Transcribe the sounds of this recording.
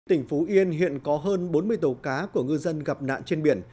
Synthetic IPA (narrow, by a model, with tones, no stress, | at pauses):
t̪ï˧˩ŋ̟fu˨˦ʔi˧ənɦḭ˧˨ənkɔ˨˦ɦəː˧nɓo˨˦nmɨ˧əjt̪o˨˩kaː˨˦ku˧˩əŋɨ˧zə˧nɣa˨˩p̚na̰ː˧˨nt͡ɕe˧nɓi˧˩ən